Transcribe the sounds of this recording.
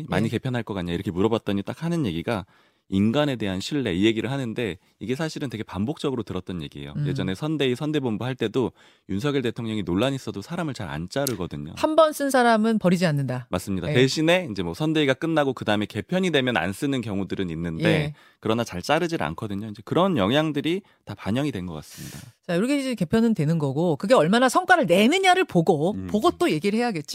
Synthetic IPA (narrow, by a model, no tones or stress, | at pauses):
ma̰ɲike̞pʰjʌnɦaɭk͈ʌk͈aɲːaiɾʌkʰemuɾʌbat̚t͈ʌɲit͈ak̚hanɯnje̞ɡiɡa | inɡane̞de̞ɦanɕʰiɭːe̞ije̞ɡiɾɯɭhanɯnde̞ | iɡe̞sʰaɕʰiɾɯntwe̞ɡe̞pambok̚t͡ɕ͈ʌɡɯɾotɯɾʌt̚t͈ʌnje̞ɡie̞̰jo̰je̞d͡ʑʌne̞sʰʌnde̞isʰʌnde̞bombuɦaɭt͈e̞do | junsʰʌɡiɭte̞tʰoŋɲʌŋinoɭːaɲis͈ʌdosʰaɾamɯɭt͡ɕaɾa̰nt͡ɕ͈aɾɯɡʌdɯɲo̰hambʌns͈ɯnsʰaɾamɯnpʌɾid͡ʑianːɯndamas͈ɯmɲidate̞ɕʰine̞ind͡ʑe̞mwʌsʰʌnde̞iɡak͈ɯnːaɡokɯdaɯmeke̞pʰjʌɲidwe̞mjʌna̰ns͈ɯnɯnkjʌŋudɯɾɯninːɯnde̞ | kɯɾʌnat͡ɕaɭt͡ɕ͈aɾɯd͡ʑina̰nkʰʌdɯɲoind͡ʑe̞kɯɾʌnjʌŋjaŋdɯɾi | tapaɲʌŋidwe̞nɡʌk͈as͈ɯmɲida̰t͡ɕajoɾʌkʰeid͡ʑeke̞pʰjʌnɯndwe̞nɯnɡʌɡokɯɡe̞ʌɭmanasʰʌŋk͈waɾɯɭne̞nɯɲaɾɯɭpoɡopoɡʌt̚t͈oje̞ɡiɾɯɭhe̞jaɡe̞t̚t͡ɕ͈i